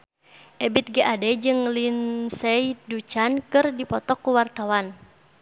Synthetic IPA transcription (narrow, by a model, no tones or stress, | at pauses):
ʔɛbit̪̚ɡɛʔadɛd͡ʒɨŋlinsɛidut͡ʃankɨrdipɔt̪ɔkːuwart̪awan